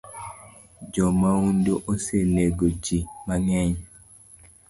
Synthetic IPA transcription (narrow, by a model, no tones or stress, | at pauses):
d͡ʒɔmaundoʔoseneɡod͡ʒimaŋɛɲ